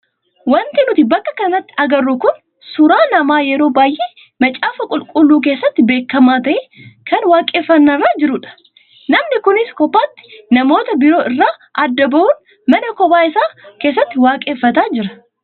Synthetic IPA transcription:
wɐnt̪ɪnʊt̪ɪbɐkːɐkɐnɐt̪ːɪ̥ɐɡɐrːʊkʊn | sʊɾaːnɐmaːjɛɾo̞ːbaːjʔeː | mɐt͡ʃʼaːfɐkʼʊlkʼʊlːuːk̬e̞ːsːɐt̪ːɪbe̞ːkːɐmaːt̪ɐʔɛkʰɐnwaːkʼeːfːɐnːɐrːaːd͡ʒɪɾʊᶑɐ̥ | nɐmnɪkʊnɪskɔpːaːt̪ːɪ̥nɐmo̞ːt̪ɐbɪɾo̞ːʔɪrːaː | ʔɐd̪ːɐbɐʔuːn | mɐnɐkɔbaːɪsaːke̞ːs̬ːɐt̪ːɪwaːkʼeːfːɐt̪aːd͡ʒɪɾɐ̥

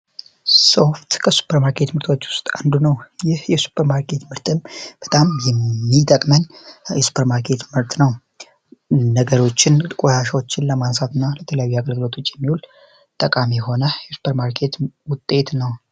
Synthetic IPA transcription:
so̞ft̪kʰəsu̥pʰəɾmaɾkʰe̞t̪mɨɾt̪ʰʼo̞t͡ʃːwʊst̪ʼand̪unəwjɪhjɛsu̥pʰːəɾmaɾkʰe̞t̪mɨɾt̪ʼɨmb̥ət̪ʼamjɛːit̪ʼəkʼmənjɛsu̥pʰəɾmaɾkʰe̞t̪mɨɾt̪ʼnəw | nəɡəɾo̞t͡ʃːɪnɨkʼojaʃawo̞t͡ʃːɪnləmansat̪ɨnːalət̪ʰələjajːuaɡəlɡɨlo̞t̪ʰo̞t͡ʃːjɛmːihul | t̪ʼəkʼamiɛho̞nəjɛsu̥pʰəɾmaɾkʰe̞t̪wʊt̪ʼːe̞t̪nəw

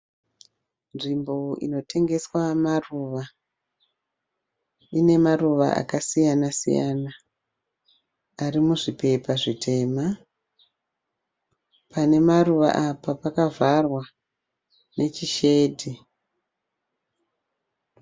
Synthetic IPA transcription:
nʐimbo̞ḭno̞tʰe̞ŋɡe̞swamaruːʋa | ine̞maruʋa̰ʔa̰kasijanasḭja̰na | arimuʐipe̞paʐitʰe̞ːma | pʰane̞maruʋa̰ʔapapakavarwa | nʔe̞t͡ʃiʃe̞dʱi

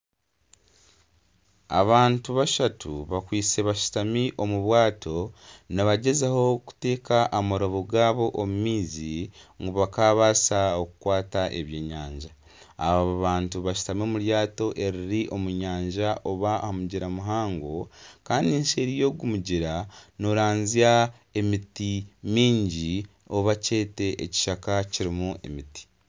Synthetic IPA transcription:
a̰βaːntuβaʃatʰṵβakwiːt͡seβaʃu̥tamiʔo̞muβwaːto̞naβaɟe̞zeho̞ku̥te̞ːkaʔːmaɾoβoɡaːβo̞ʔomumiːziŋɡuβakaːβasaokukwaːtaʔeβje̞ːɲaːɲʒa̰ː | βaβaβaːntuβaʃu̥tamoːmuɾjaːto̞ʔe̞ɾiɾiʔomuɲaːɲʒaʔo̞βahamuɟiɾamuɦaːŋɡo̞kaːndinʃe̞ɾijo̞ːɡumuɟiɾanoɾaːnzia | e̞mitimiːɲɟi | o̞βace̞ːte̞ʔeci̥ʃakaciɾimue̞̰miti̥

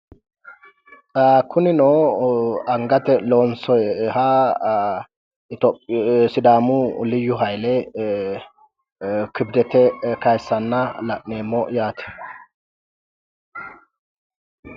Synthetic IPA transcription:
kʰʊnɪnoː | ɐŋɡɐt̪ɛloːnsɔjha | t̪ɔsɪd̪aːmʊlɪjːʊɦɐjlɛ | kɪbd̪ɛt̪ɛkɐjsːɐnːɐlɐʔneːmːɔjaːt̪ʰɛ̥

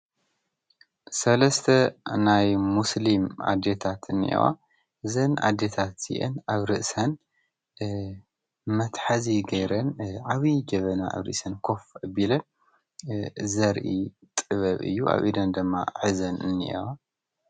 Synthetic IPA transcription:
sɐlɐst̪ʰɐnajmuslima̰d̪et̪ʰat̪ʰɨnːḭʔḛwa̰ | ʔɨzɐnʔa̰d̪et̪ʰat̪zḭʔḛnaβɾɨʔsɐn | mɐt̪ħaziɡɐjɾɐnʕaβid͡ʒɐβɐnaa̰βɾɨ̰ʔsɐnkʰo̞fɨbilɐ | zɐɾʔḭ | t̪ʼɨβɐβɨ̰jːuʔa̰βʔḭd̪ɐnd̪ɨmːa̰ʕɨzɐnɨ̰nːḭʔḛwa

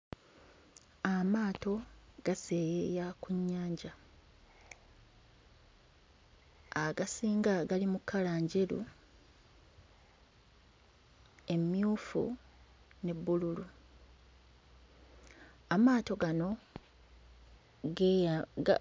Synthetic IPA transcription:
amaːto̞ɡ̥ase̞ːjejakuɲːaːɲɟa | aɡasiːŋɡaɡalimukʰːalaːɲɟeɾṵ | e̞mjuːfṵ | ne̞bːululu | amaːto̞ɡano̞ | ɡe

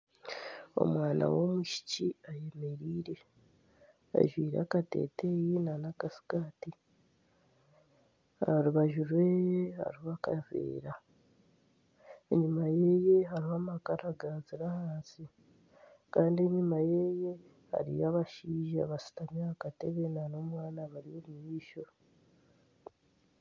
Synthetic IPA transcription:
o̰mwaːna̰wo̞muʃi̥ciaje̞me̞ɾiːɾe̞ | a̰ʒwiːɾa̰kate̞̰tejinanakasi̥kaːti | aɾuβaʒuɾwe̞ha̰ɾihakavḛːɾa | eɲimaje̞je̞ɦaɾihaːmakaɾʔaɡaziɾahaːnsi | kaːndie̞ɲimaje̞je̞ | ha̰ɾḭjaβaʃiːʒa̰βasi̥tamjaakate̞βenano̞ːmwaːnaβaɾijomujiːʃo̞

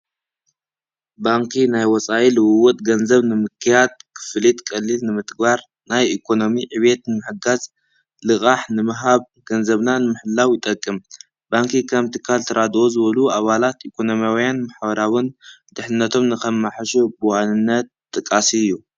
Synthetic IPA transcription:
baŋkʰinajwɔt͡sʼajilɨwɨwɔt̪ʼɡɐnzɐβnɨmɨkʰːijad̪̚kʰɨ̥flit̪kʼɐlːilnɨmɨt̪ʰʼɡβaɾ | najikʰo̞no̞miʕɨβe̞t̪nɨmɨħɨɡaz | lɨkʼaħnɨmɨɦaβ | ɡɐnzɐβnanɨmɨħɨlːawjɪt̪ʼɐkʼːɨm | baŋkʰikʰɐmt̪ʰɨkʰːalt̪ʰɐɾad̪ozɨβɐluaβalat̪ʔikʰo̞no̞mjawjanmaħbɐɾawɨnd̪̥ɨħnɨnːɐt̪ʰo̞mnɨkɐmːaħʃubuwanɨnːɐt̪̚t̪ʼːɨkʼːasiɨjːu

